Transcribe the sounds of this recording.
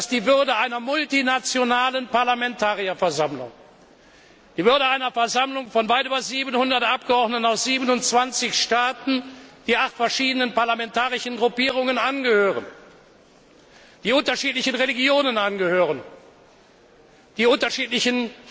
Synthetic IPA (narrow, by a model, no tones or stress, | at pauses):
d̥asd̥iːvʏɐdəʔaɪnɐmʊltinat͡sjonaːlənpaɐlamɛntʰaːʁiɐfɛɐzamlʊ̰ŋ | d̥iːvʏɐdəaɪnɐfɛɐzamlʊŋfɔnvaɪtyːbɐziːbənhʊndɐtʔapɡ̥əɔʁdnətnaʊsz̥iːbənʊntt͡sv̥ant͡sɪçʃtaːtn̩d̥iːʔaχtfɛɐʃiːdənənpaɐlamɛntaːʁɪʃn̩ɡʁʊpiːʁ̞ʊŋənʔanɡəhøːʁən | d̥iːʊntɐʃiːtlɪçənʁeliɡjoːnənʔanɡəhøːʁən | d̥iːʊntɐʃiːtlɪçən